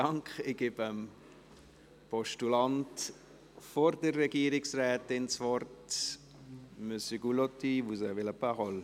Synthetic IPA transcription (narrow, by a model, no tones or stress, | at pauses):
ɑŋkχɪɡ̥ɪbəm | pɔʃtulɑnt | fɔɾdərːɛɡiəɾɪksrɛːtɪnsvɔrt | møsəɡulɔtiʋuzəʋɪlapaʁɔl